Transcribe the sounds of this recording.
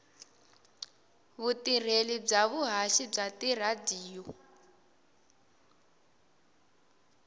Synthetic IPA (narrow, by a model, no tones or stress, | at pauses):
βutir̤elib͡ʐaβuɦaʃib͡ʐatir̤adiːjɔ